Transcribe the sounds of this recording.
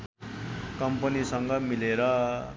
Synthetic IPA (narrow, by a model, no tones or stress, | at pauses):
kʌmpʌnisʌŋɡʌmileɾʌ